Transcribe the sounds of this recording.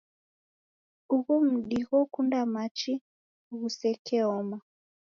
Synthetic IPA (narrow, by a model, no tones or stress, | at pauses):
uɣum̩ɗiɣɔkundamat͡ʃi | ɣusɛkʰɛɔma